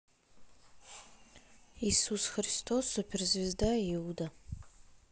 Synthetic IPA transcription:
isusxristʰosupʰɪrzvɪzdajɪwda

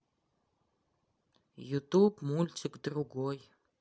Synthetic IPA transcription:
jut̪ʼubmulʲt͡ʃʰɨɡd̪ɨruɡoj

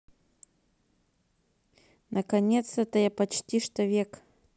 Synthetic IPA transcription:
nʔɐkɐnʲet̪sɛt̪ɐjapɐt͡ɕtʲiʂt̪ovʲek

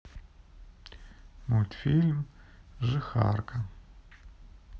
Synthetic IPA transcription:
mulʲt̪filʲmʒɨxa̰rkʰɐ

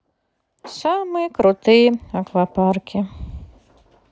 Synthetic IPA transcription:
samɨjkɾʊt̪ɨjɛɐklaparkʲi

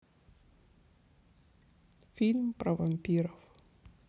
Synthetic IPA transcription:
filmpravampiɾaf

